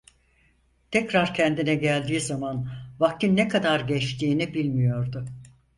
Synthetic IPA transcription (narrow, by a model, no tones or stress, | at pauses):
t̪ʰɛcɾaɾcʰɛnd̪inɛɟælʲd̪iːzamanvak̚t̪ʰinːɛkʰad̪aɾɟɛt͡ʃt̪ʰiːnibilʲmijo̞ɾd̪ʊ